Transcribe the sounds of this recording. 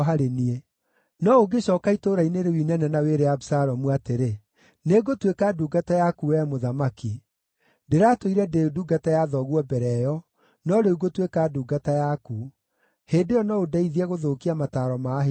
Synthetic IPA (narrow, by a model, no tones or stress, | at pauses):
ɦaɾenie | nɔoɡeɕɔːkaitoɾaineɾewinɛnɛnaweɾeabusaɾɔmuateɾe | neɡotwekaduːɡatajakuwɛmoðamaki | deɾatoiɾɛdeduːɡatajaðɔɣwɔbɛɾɛjɔ | nɔɾeuɡotwekaduːɡatajaku | heːdeɔnɔodaiðiɛɣoðoːkiamataːɾɔmaɦ